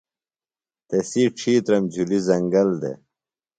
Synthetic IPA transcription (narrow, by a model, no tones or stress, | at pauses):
t̪esiʈ͡ʂʰiːt̪ɾɐmd͡ʑʱulizɐŋɡɐld̪ḛ